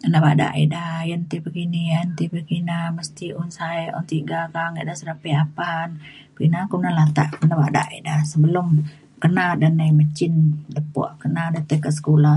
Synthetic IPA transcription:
kənabada̰ʔḭdajənt̪ibəɡiniant̪ibəɡinaməst̪iʔunsaiʔṵnt̪iɡakaŋəʔdahsəɾapiapan | bəɡinakunalat̪a̰ʔkənabada̰ʔḭdahsəbəlum | kənadanəjmət͡ʃɪndəpṵʔkənadat̪əkəsə̥kula

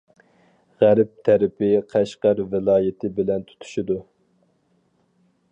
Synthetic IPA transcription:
ʁæɾp̚t̪ʰæɾɪpɪqʰæʃqæɾvɪlˠɑːjɪt̪ʰɪbɪlɛnt̪ʰu̥t̪ʰu̥ʃid̪u

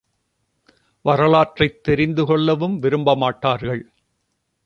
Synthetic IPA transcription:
ʋɐɾɐlaːʈrɐɪt̪ːɛɾɪnd̪ɯkɔɭːɐʋɯmʋɪɾɯmbɐmaːʈːaːɾɣɐɭ

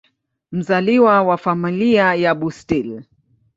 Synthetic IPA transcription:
m̩zaliwawafamiliajaɓustil

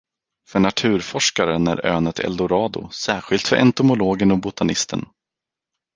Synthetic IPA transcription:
fœɳat̪ʰʉ̟ːɾfɔʂkaɾənæ̰ɾø̰ːnət̪ʰɛ̰ld̪ʊɾɑːd̪ʊ̰sæːɾɧɪlt̪fœɾʔɛ̰nt̪ʊmʊloːɡənɔbʊt̪ʰanɪst̪ə̰n

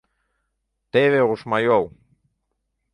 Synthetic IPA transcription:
t̪eβeɣusmajow

